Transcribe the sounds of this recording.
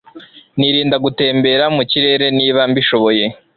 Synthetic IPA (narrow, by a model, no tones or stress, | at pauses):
niɾiːndaɡute̞ːmbe̞ɾamuciɾe̞ːɾe̞niːβambiʃo̞βo̞je̞